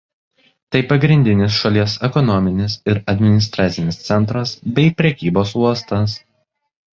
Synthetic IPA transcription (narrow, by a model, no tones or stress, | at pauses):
t̪ɐɪpɐɡɾʲɪnʲd̪ʲɪnʲɪsʃɐlʲiɛsɛkɔnɔmʲɪnʲɪsɪɾɐd̪ʲmʲɪnʲɪst̪ɾɑːt̪sʲɪnʲɪst̪sʲɛnˑt̪ɾɐsbʲɛɪpʲɾʲɛkʲiːboːsuɔst̪ɐs